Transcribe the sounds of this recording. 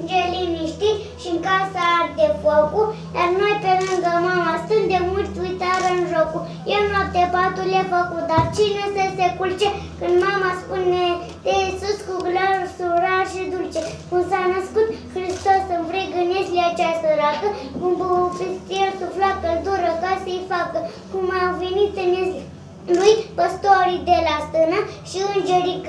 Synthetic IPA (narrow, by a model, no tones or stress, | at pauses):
nd͡ʒeliniʃt̪i | ʃiŋkasaaɾd̪efoku | d̪arnojpelɨŋɡəmamast̪ɨd̪emult̪ʲujt̪aɾəɨnʒoku | jenuab̚t̪ebat̪ulefəkut̪̚d̪art͡ʃinesesekult͡ʃe | kɨnd̪mamaspune | t̪eisuskuɡlasuɾaɾʃid̪ult͡ʃɛkunsanɐskut̪xɾist̪osɨnvɾiɡəneslat͡ʃasəɾakəkumbəpist̪ieɾt̪uflakəld̪uɾəkasəjfakə | kumavenit̪ənez | lujpəst̪oaɾid̪elast̪ənaʃiɨnd͡ʒəɾik